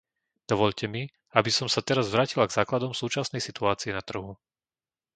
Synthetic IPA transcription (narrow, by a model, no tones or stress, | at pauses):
d̪̥ɔʋɔʎcɛmi | abisɔmsat̪ɛɾazʋɾaːcilaɡzaːklad̪ɔmsuːt͡ʃasnɛjsit̪uaːt͡siɛnat̪r̩ɦu